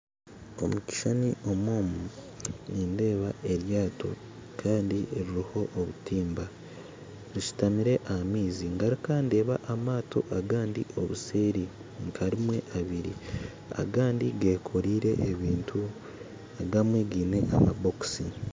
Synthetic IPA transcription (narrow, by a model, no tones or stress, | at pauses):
o̞̰muci̥ʃaniʔo̞mwoːmu | ninde̞ːβaʔe̞ɾjaːtʰo̞̰ | kʰaːndiɾiɾiho̞ʔːβutiːmba | ɾiʃu̥tamiɾe̞ʔahamiːziŋɡaɾikaːnde̞ːβaʔamaːtʰo̞̰ʔaɡaːndiʔo̰βuse̞ːɾi | ŋkʰaɾimwe̞̰ʔaβiɾḭ | a̰ɡaːndiɡekʰo̞ɾiːɾe̞ʔːβiːntʰu | aɡamweːɡiːne̞ʔama̰bo̞ksi